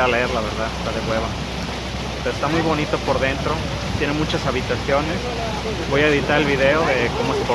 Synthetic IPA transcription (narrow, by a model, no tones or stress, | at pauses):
aleeɾlaβe̞ɾðaðest̪aðe̞ɣwe̞βa | peɾoest̪amujβo̞nit̪o̞po̞ɾðe̞nt̪ɾo̞ | t̪je̞nemut͡ʃasaβit̪asjo̞ne̞s | bo̞jae̞ðit̪aɾe̞lβiðe̞o̞ðe̞ko̞moespo